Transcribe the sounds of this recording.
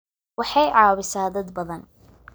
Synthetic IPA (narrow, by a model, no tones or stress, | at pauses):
wɑħɑjʕɑːβɪsaːd̪ɐd̪bɐðɐn